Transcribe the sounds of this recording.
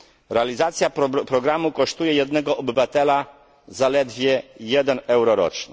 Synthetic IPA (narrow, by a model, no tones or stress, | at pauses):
ɾɛalʲizat̪sʲjapɾɔɡɾamukɔʂt̪ujɛjɛd̪nɛɡɔʔɔbɘvat̪ɛla | zalɛd̪vʲjɛjɛd̪ɛnɛwɾɔɾɔ̰t͡ʂɲɛ